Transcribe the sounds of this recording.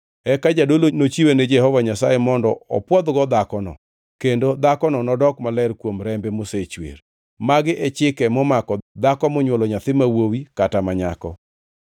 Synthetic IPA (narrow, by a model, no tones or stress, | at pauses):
ɛkad͡ʒadolonot͡ʃiwened͡ʒɛhɔvaɲasajemɔndɔɔ̰pwɔd̪ɡɔd̪akɔnɔ̰ | kendod̪akɔnɔnɔdɔkmalɛrkwomɾɛmbɛmoset͡ʃwḛɾ | maɡɪʔɛt͡ʃɪkɛmɔmakɔd̪akɔmɔɲwɔlɔɲat̪ɪmawowikatamaɲa̰kɔ̰